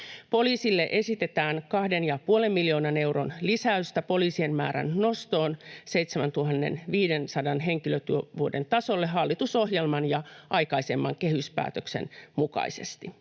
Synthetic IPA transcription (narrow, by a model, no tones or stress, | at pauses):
po̞liːsilːeʔe̞sit̪et̪æːŋkɑhdenjɑpuolemːiljoːnɑne̞wronlisæyst̪æpo̞liːsienmæ̰ːɾæ̰nno̞st̪oːnseit̪semænt̪uhɑnːḛnʋiːdensɑdɑnɦeŋkiløt̪yøʋuodent̪ɑsolːeɦɑlːit̪usohjelmɑnjɑʔɑijkɑisemːɑŋkehyspæ̰ːt̪øksḛnmukɑ̰isḛst̪i